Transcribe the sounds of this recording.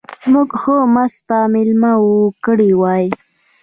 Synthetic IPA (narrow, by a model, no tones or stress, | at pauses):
muɡxomast̪amɪlmawukəɽiwɑj